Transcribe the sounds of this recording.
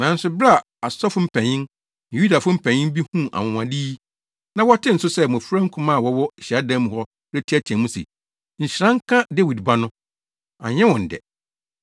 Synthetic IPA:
nã˨n̩˦sʊ˨bɾa˦˨ | a˨sɔ˦fʊ˦m̩˨pʰæ̃˨ɲɪ̃˦n | nɪ̃˨ju˦da˨fʊ̃˦m̩˦pʰæ̃˨ɲɪ̃˦n˦bi˦hũ˦ʔa̰˨wʊ̃˨wã˨diː˦ | nã˦wɔ˦tʰɪ̃˦n̩˨˦sʊ˦sɛ˦mʊ̃˨fɾã˦ŋ̩˦kʰʊ̃˦mã˦˨wɔ˦wɔ˦˨ɕa˦dã˦m˨hɔ˦ | ɾɛ˦tʰi˦æ˦tʰi˨ã˨mũ˦sḛ˨ | ɲ̩˨ɕɾã˦ŋ˦kʰã˦dɛ˦wi˨dba˦nʊ̃˦ | a̰˨ɲɛ̃˦wɔ̃˨n̩˨dɛ̰˨

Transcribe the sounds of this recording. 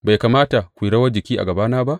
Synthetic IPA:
ba˨jkaː˨maː˦ta˨kʷu˨ɽɐ˦wɐ˦d͡ʒɪ˨kʲiː˦ʔa̰˨ɡɐ˨baː˦naː˦ba˦ʔ

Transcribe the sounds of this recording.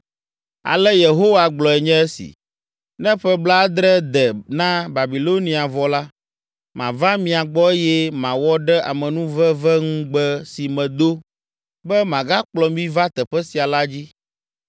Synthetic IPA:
a̰˨lɛ˦je˨ɦo˦wa˨ɡ͡blɔ˨ɛ˨ɲɛ̃˦ɛ˦sḭ˨ | nɛ̃˦ɸɛ˦bla˦d̪ɾɛ˦d̪ɛ˨nã˦ba˨bi˨lo˦nĩ˨a˨vɔ˨la˦ | mã˨va˦mĩ˨a˨ɡ͡bɔ˦e˦jɛ˦mã˨wɔ˦ɖɛ˦ʔa˨mɛ̃˨nũ˦vɛ˦vɛ˦ŋũ˦ɡ͡bɛ˦si˨mɛ̃˨d̪o˦ | bɛ˦mã˨ɡa˦k͡plɔ˨mĩ˦va˦t̪ɛ˨ɸɛ˦si˨a˨la˦d͡ʑi˦

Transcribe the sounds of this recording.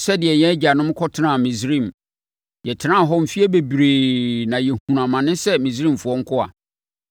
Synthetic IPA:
sɛ˦dɪ˨ɛ˨jɛ̃˦æ˦d͡ʑa˨nʊ̃˦m˦kʰɔ˦tʰɪ˦nã˦˨mĩ˨sɾĩ˦˨m | jɛ˨tʰɪ˨˦nã˦˨ɦɔ˦m̩˨fi˦ɛ˦be˨bɾeː˨nã˨jɛ˨hũ˨ɾã˨mã˨nɪ̃˦sɛ˦mĩ˨zɾĩ˦˨mfʊ˨ɔ˦ŋ̩˦kʰʊ˦a̰˨

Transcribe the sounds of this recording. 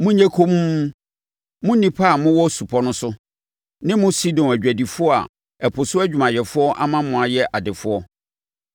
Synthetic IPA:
mʊ̃˦ɲɛ̃˦kʰo˦m˦ | mʊ̃˦nĩ˨pʰa˦˨mʊ̃˦wɔ˦su˨pʰɔ˦nʊ̃˦sʊ˦ | nɪ̃˦mʊ̃˦si˦dɔ̃˨næ˨d͡ʑᶣæ˨di˨fʊ˦ɔ˦a̰˨ | ɛ˨pʰʊ˨sʊ˦æ˦d͡ʑᶣu˨mã˨jɛ˨fʊ˦ɔ˦ʔa̰˦mã˦mʊ̃˨a˨jɛ˦ʔa˨dɪ˨fʊ˦ɔ˦

